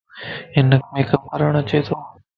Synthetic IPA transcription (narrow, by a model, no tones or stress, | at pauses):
ɪnəkmeːkəməɾəɳət͡ʃeːt̪ʰoː